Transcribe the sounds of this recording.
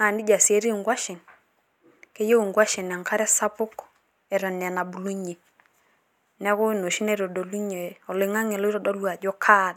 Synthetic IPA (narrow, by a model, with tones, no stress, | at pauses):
a˨ndi˦d͡ʒa˨se˦ɾi˦˨ŋɡwa˦ʃɪ˨n | ke˦je˦u˨ŋɡwa˦ʃe˨n˨a˨ŋkʰa˦ɾɛ˦sa˦pʊ˦k | ɛ˨ɾa˨nɛ˨na˨bu˨lu˦ɲe˨ | nɛ˦ko˦˨no˨ʃi˦nɛ˦ɾo˨do˨lu˦ɲe˨ɔ˨le˨˦ŋa˦ŋɛ˨lo˦ɾɔ˦˨dɔ˦ɾwa˨d͡ʒɔ˦kʰa˦˨d